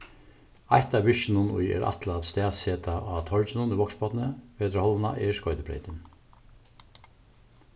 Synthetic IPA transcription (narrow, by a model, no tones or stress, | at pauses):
ajht̪aʋɪʃɪnʊnʊ̰jɛ̰ɾʔa̰t̪lat̪st̪ɛːseːt̪aat̪ʰɔɹt͡ʃɪnʊniʋɔkspɔt̪nəʋeːt̪ɾəhɔlʋəna̰ʔɛskɔʏt̪ɪpʰɾɛ̰ɪt̪ɪn